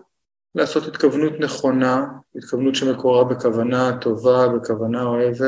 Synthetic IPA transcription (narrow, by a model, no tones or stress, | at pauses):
laːso̞t̪hit̪kavnut̪ne̞χo̞nait̪kavnut̪ʃeme̞koʁabe̞kavanat̪o̞vabe̞kavanao̞e̞ve